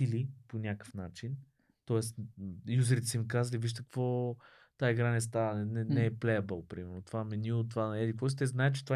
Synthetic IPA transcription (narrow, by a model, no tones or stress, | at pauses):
iliponʲakə̥fnat͡ʃin | t̪ɔɛsjuzəɾit̪ɛsimikazəliviʃt̪əkvɔ | t̪aiɡɾanɛs̬t̪avənɛnɛnɛɛplɛjəbəlˠpɾimɛɾnot̪ovamɛnilˠot̪ovanɛd̪ikvɔsit̪ɛznaɛt͡ʃɛ̥t̪ova